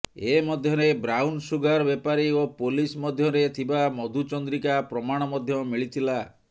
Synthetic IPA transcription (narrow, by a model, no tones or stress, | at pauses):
emɔd̪ʱjɔɾebɾawnsuɡaɾbepaɾiopolismɔd̪ʱjɔɾet̪ʰibamɔd̪ʱut͡ʃɔnd̪ɾikapɾɔmaɽ̃ɔmɔd̪ʱjɔmiɭit̪ʰila